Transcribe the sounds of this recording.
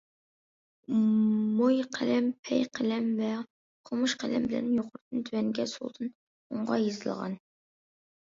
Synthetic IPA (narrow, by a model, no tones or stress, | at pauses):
mojqʰælɛmpʰɛjqʰælɛmvɛ | qʰomuʃqʰælɛmbɪlɛ̰njoqʰʊɾt̪ɨnt̪ʰywɛnɡʲɛsṵlˠd̪ʰɨn | uɴʁɑjezɨlˠʁɑ̰n